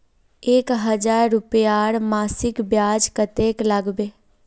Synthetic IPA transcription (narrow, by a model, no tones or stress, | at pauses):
eːkɦəd͡ʒaːɾːʊpjaːɽmaːsɪkbjaːd͡ʒkət̪eːkləɡbeː